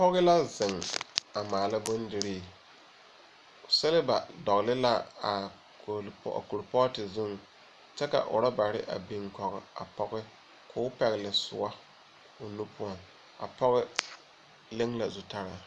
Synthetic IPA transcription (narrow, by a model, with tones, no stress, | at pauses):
pɔ˦ɣɪ˦la˦zɪ˨ŋa˨maː˨la˦bʊ˦n˦dɪ˦ɾɪː˨ | sɛ˦lɪ˦ba̰˨dɔ˨ɣlɪ˦la˦a˨ | kl̰a̰˨ko˨lpɔ˦tɪ˨zʊ˦ŋ | t͡ʃɛ˦ka̰˨ʔʊ̰˨ɾa˦ba˨ɾɪ˦ʔa̰˨bi˦ŋkɔ˨ɣɪ̰˨a̰˨pɔ˦ɣɪ˦ | kʰʊ˦ʊ˦pɛ˨ɣɪ˨lɪ˨sʊ̰˨a˦ | ʊ˨nu˦pʊ˦ɔ˨ŋ | a̰˨pɔ˦ɣɪ˦ | le˦ŋla˨zʊ˨ta˦ɾa˨